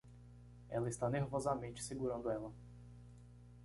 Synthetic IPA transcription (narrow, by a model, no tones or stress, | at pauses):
ɛ̰lɐist̪aneɾvɔzamẽt͡ʃɪ̥seɡuɾɐ̃nd̪ʊɛlɐ